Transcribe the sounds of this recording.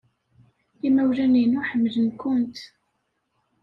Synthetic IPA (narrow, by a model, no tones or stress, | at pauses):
imæwlæninuħəmːlənkʊnt̪